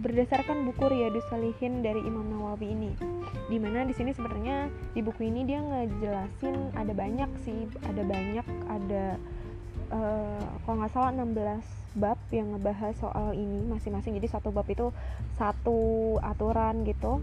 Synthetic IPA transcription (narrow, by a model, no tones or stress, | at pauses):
bərdasarkanbukʊrjadisəlihɪndaɾiʔimamnawawiːnidimanadisinisəbənɲadibukuinidiaŋəd͡ʒəlasɪnadabaɲak̚sɪh | adabaɲak̚ada | ʔəkaloŋasalaənambəlas | bap̚jaŋːəbaɦaso̰ʔalinimasɪŋmasɪŋd͡ʒadisat̪ubapit̪usat̪uat̪uɾanɡit̪u